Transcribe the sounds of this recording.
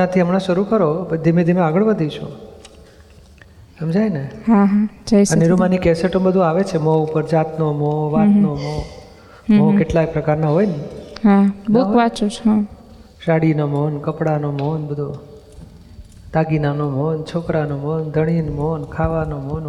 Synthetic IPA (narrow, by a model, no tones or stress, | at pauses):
at̪ʰiəmɳãʃəɾukəɾobəd̪imẽd̪ʱimẽaɡəɭʋəd̪ʱit͡ʃʰṵ̃ | amd͡ʒajneɦãɦãd͡ʒajsniɾumanikɛseʈəmbəd̪ʱũaʋet͡ʃʰemɔupəɾd͡ʒat̪nomoʋat̪nomo | mɔkeʈlajpɾəkaɾnaɦojniɦãbuʋat͡ʃut͡ʃʰã | ʃaɽinomonkəpɽanomonbəd̪ʱu | t̪aɡinanomont͡ʃʰokɾanomond̪ʱəɽ̃inmonkʰaʋanomon